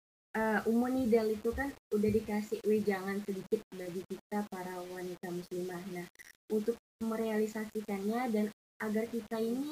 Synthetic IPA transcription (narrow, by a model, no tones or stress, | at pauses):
ʔəːumunidalit̪ukanudahdikasɪhwed͡ʒaŋansədikɪt̪̚baɡikit̪̚apaɾawanit̪amuslimahnahunt̪ʊk̚məɾealisasikanɲadan | ʔaɡarkit̪aini